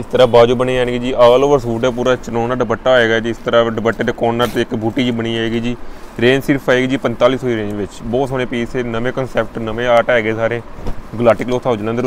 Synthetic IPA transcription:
ɪst̪əɾaːbaːd͡ʒuːbəniːd͡ʒaːnɡiːd͡ʒiːʔaːloːʋəɾsuːɖɛːp̬uːɾaːt͡ʃənoːnaːɖəbəʈːaːoeːɡaːd͡ʒiːɪst̪əɾaːɖəbəʈːeːd̪eːkɔːnːaːt̪eːɪkbʱuːʈːiːd͡ʒiːbəniːaːeːɡiːd͡ʒiːɾẽːnsɪɾpʰaːeːɡiːd͡ʒiːpənt̪aːliːsoːiːɾẽːɲd͡ʒʋɪt͡ʃbɔːt̪soːnẽːpiːseːnəmẽːkənsɛːp̚ʈnəmẽːaːʈɛːeːɡeːsaːɾeːɡlaːʈɪkloːt̪ʰaːod͡ʒnãnd̪əɾ

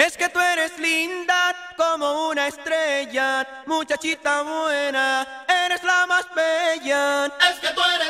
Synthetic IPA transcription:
esket̪ueneslind̪akomounaest̪ɾeʝa | mut͡ʃat͡ʃit̪aβwena | eɾeslamaspeʝaesket̪ue

